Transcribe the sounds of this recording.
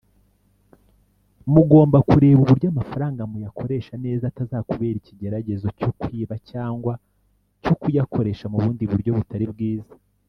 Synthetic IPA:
muɡo̞ːmbakuɾe̞ːβuβuɾjoamafaɾaːŋɡamujakʰo̞ɾe̞ːʃane̞ːzatazaːkuβe̞ːɾiciɟe̞ɾaɟe̞zo̞cokwiːβacaːŋɡwa | cokujako̞ɾe̞ːʃamuβuːndiβuɾjo̞βutaɾib̚ɡiːzḁ

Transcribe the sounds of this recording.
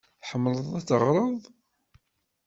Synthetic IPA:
θħəmːləðˤæt͡sːərˤːəðˤ

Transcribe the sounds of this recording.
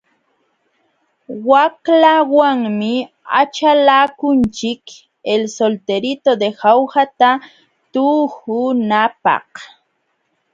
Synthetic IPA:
waklawaŋmɪ | a̰t͡ʃalaːkʊnt͡ʃɪk | elsolt̪eɾɪt̪od̪ehawhat̪a | t̪uːhʊnapɑ̰h

